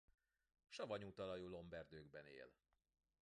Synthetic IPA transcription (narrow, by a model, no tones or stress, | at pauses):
ʃɒvɒɲuːt̪ɒlɒjuːlo̞mbɛrd̪øːɡbɛnḛːl